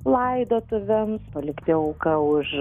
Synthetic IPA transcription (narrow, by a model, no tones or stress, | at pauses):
lˠɐɪd̪oːt̪ʊʋʲɛmspɐlʲɪkt̪ʲɪʊkɐʊʃ